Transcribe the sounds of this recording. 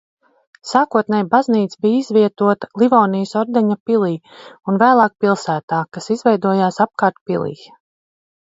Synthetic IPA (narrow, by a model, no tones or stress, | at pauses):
saːkuɔt̪nʲɛjbazniːt̪sbiːjizvʲiɛt̪uɔt̪ḁlˠivɔːnijsɔɾd̪ɛɲapilˠiː | unvæːlˠɑːk̚pilˠsæːt̪aːkasizvɛjd̪uɔjaːsap̚kaːɾt̪̚pilˠḭː